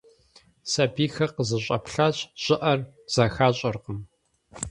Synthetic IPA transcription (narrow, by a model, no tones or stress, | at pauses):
sɐbiːxɐqəzɨɕʼɐpɬaːɕʼɕʼɪʔɐr | z̥axaːɕʼɐrqəm